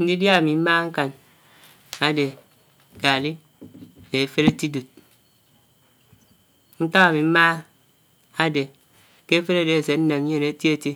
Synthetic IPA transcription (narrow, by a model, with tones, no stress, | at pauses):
n̩˦di˦dja˦˨mi˨m̩˦ma˦ŋ̩˦ka˨n | a˨de˨ | ka˨li˦˨ | ne˨fe˦ɾe˦ti˦du˨t̚ | n̩˦ta˦ka˨mi˨m̩˦maː˦ | a˦de˨ | ke˦fe˦ɾa˦de˨e˨s̬e˨n̩˦ne˨m˦ɲe˦˨ne˨˦ti˦e˦ti˦